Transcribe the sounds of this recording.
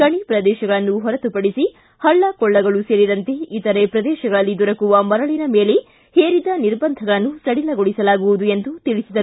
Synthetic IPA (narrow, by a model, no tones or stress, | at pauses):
kɐɳipɾɐd̪ɛːʃɐɡɐɭɐnːuɦɔɾɐt̪upɐɽisi | hɐɭːɐkɔɭːɐɡɐɭuseːɾid̪ɐnt̪eit̪ɐɾepɾɐd̪ɛːʃɐɡɐɭɐlːid̪ɔɾɐkuʋɐmɐɾɐɭinɐme̞ːle̞ | heːɾid̪ɐniɾbɐnd̪ʱɐɡɐɭɐnːusɐɽilɐɡoɭisɐlaːɡuʋud̪uend̪ut̪iɭisid̪ɐɾu